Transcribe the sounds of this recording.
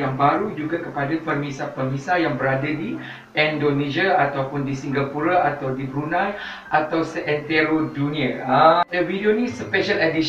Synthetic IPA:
aŋbaɾud͡ʒuɡakəpadapərmisahpərmisajaŋbəɾadadi | ɛndonẽd͡ʒaat̪awpʊndisiŋɡapuɾaat̪awdibɾunãn | ʔat̪awsəʔɛnt̪ɛɾodunĩaadəvidionĩspɛʃələdi

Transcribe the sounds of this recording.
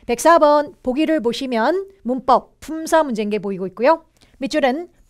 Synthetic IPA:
pe̞k̚s͈abʌnpoɡiɾɯɭp̬oɕʰimjʌnmump͈ʌk̚pʰumsʰamund͡ʑe̞nɡe̞poiɡoit̚k͈ujo | mit͡ɕʰuɾɯn

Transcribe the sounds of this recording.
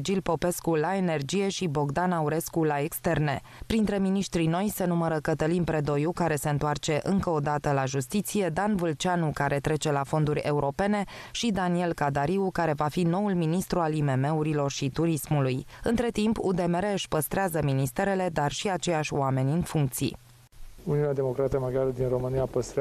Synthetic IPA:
d͡ʒilpo̞pe̞skulae̞ne̞rd͡ʒije̞ʃibo̞ɡd̪anauɾe̞skulaekst̪e̞rne̞̰ | pɾint̪ɾe̞miniʃt̪ɾino̞jse̞numəɾəkət̪əlinpɾe̞d̪o̞jukaɾe̞se̞ɨnt̪oart͡ʃe̞ʔɨŋkəod̪at̪əlaʒust̪it̪sije̞d̪anvɨlt͡ʃanukaɾe̞t̪ɾe̞t͡ʃe̞lafo̞nd̪uɾʲe̞uɾo̞pe̞ne̞ʃid̪anie̞lkad̪aɾiukaɾe̞vafino̞ulminist̪ɾualime̞me̞uɾilo̞rʃit̪uɾismulujɨnt̪ɾe̞t̪impud̪e̞meɾeɨʃʲpəst̪ɾeazəminist̪e̞ɾe̞le̞d̪arʃiat͡ʃe̞jaʃʲwame̞nʲɨnfuŋk̚t̪sḭ | uniunead̪emo̞kɾat̪iəmaɡjaləd̪inro̞mɨniapəst̪ɾe

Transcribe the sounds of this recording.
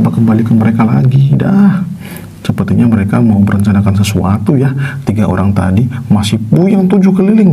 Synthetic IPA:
pakəmbalikənməɾekalaɡidah | səpərt̪iɲaməɾekamauməɾəɲt͡ʃanakans̬əsuat̪ujat̪iɡaʔo̰ɾaŋt̪a̰dimasɪhpujaŋt̪ud͡ʒukəlilɪŋ

